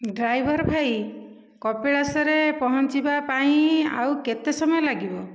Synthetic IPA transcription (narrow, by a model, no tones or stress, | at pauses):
ɖɾajbʱɔɾbʱaj | kɔpeɭasɔɾepɔɦɔnt͡ʃibapaĩa̰wket̪esɔmɔjɔlaɡibɔ